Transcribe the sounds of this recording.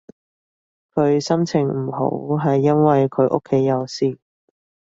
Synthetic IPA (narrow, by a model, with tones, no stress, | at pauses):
kʰɵ˨˧ɥsɐ˥mt͡sʰɪ˨˩ŋm̩˨˩ɦo̰˨˥wɦɐ˨jːɐ˥nwɐ˨jkʰɵ˨˧ɥʔo̰˥kʰːe˨˥jːɐ˨˧wsiː˧